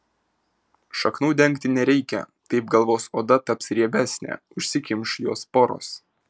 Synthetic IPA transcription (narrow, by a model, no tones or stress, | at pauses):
ʃɐknuːd̪ʲɛŋʲkt̪ʲɪnʲɛɾʲɛɪkʲɛ̰t̪ɐɪp̚ɡɐlˠʋoːsoːd̪ɐt̪ɐpsɾʲiɛbʲæːsʲnʲæ̰ːʊʃʲsʲɪkʲɪmʲʃjoːspoɾo̰ːs